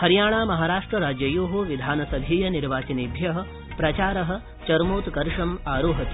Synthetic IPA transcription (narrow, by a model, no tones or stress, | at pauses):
hɐɾjaːɳaːmɐɦaːɾaːʂʈɾɐɾaːd͡ʒjɐjoːɦuʋid̪ʱaːnɐsɐbʱiːjɐniɾʋaːt͡ʃɐniːbʱjɐɦɐ̆ | pɾɐt͡ʃaːɾɐɦɐ̆ | t͡ʃɐɾmoːt̪kɐɾʂɐmaːɾuːɦɐt̪